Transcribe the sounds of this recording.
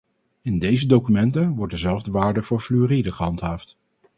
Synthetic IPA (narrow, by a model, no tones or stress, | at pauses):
ɪndejzədowkymɛntənʋɔɹ̚dəzɛlˠvdəʋaːɹdəvʊːɹflyridəχəɦɑntɦaːft